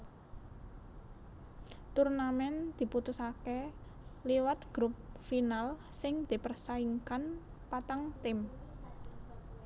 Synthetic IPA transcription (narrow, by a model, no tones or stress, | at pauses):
t̪urnamɛnd̪̥i̤put̪usake | liwat̪̚ɡ̥ɾup̚finalsɪŋd̪̥i̤pərsaiŋkan | pat̪aŋt̪ɪm